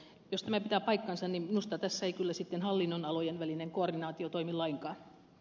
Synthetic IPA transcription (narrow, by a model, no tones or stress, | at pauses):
jost̪æmæpit̪æpɑikːɑnsɑnnimminust̪ɑt̪æsːæeikylːæsit̪ːenhɑlːinːonɑlojenʋælineŋkoordinɑːt̪iot̪oimilːɑiŋkɑː